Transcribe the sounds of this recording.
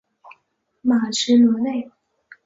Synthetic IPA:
ma˨˩ʈ͡ʂʰɻ̩˧˥nwɔ˧˥ne˥˩ɪ

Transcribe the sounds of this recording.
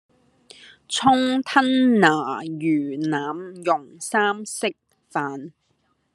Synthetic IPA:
t͡sʰʊ˥ŋt̪ʰɐ˥nnaː˨˩jyː˨˩naː˨˥mjʊ˨˩ŋsaː˥msɪ˥k̚ | faː˨n

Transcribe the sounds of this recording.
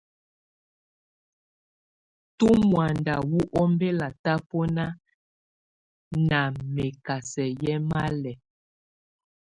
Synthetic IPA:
tu˦mwa˨nda˨wu˦ʔɔ˦mbe˦la˨ta˦pɔ˦na˦ | na˨me˨ka˨sɛ˨jɛ˦ma˦lɛ˨

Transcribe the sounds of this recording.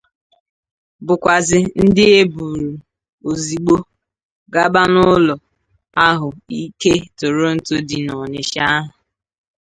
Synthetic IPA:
bʊ˨kʷa˨zɪ˨n̩˦dɪ˦e˦bu˨ɾu˨ | o˨zi˨ɡ͡bo˦ | ɡa˦ba˦nʊ˦lɔ˨ | a˦ɦʊ˨i˦ke˦tʊ˨ɾo˦n̩˨to˦di˨nɔ˨ɲe˨ʃa˦ɦʊ˨

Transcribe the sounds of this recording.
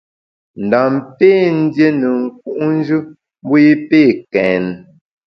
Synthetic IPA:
n̩˨da˨mpeː˦˨n̩˦dje˦nə˨ŋ̩˨k̚u˨ʔn˦d͡ʒɨ˦ | m̩˦bo˦je˦peː˦˨kɛ˨n˨

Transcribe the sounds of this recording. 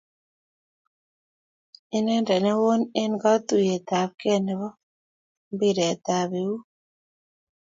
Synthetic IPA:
ɪ˦nɛ˦ndɛ˨nɛ˦wo˦nɛ˦nɡa˦t̪u˨je˨t̪a˨b̚kɛ˦nɛ˨βɔ˦ | mbi˦ɾɛ˨t̪a˨βe˨wu˦

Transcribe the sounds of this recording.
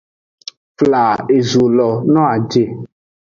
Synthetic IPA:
fla˨e˨zu˨lɔ˨nɔ̃˦a˨d͡ʒe˨

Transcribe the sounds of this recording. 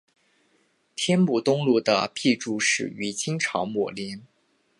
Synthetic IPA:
t̪ʰjɛ˥npu˨˩t̪ʊ˥ŋlu˥˩d̪ə̰˩pʰi˥˧ʈ͡ʂu˧˥ʂɻ̩̰˨˩y˧˥t͡ɕi˥ŋʈ͡ʂʰɑ˧˥ʊmɔ˨˩li˧˥n

